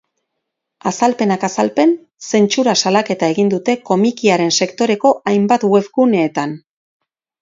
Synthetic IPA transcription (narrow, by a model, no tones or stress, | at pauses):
asalpe̞nakasalpe̞n | se̞nt͡ʃuɾasalake̞t̪ae̞ɣind̪ut̪e̞ko̞mikiaɾe̞nse̞kt̪o̞ɾe̞ko̞ʔajmbat̪we̞βɣuneːt̪an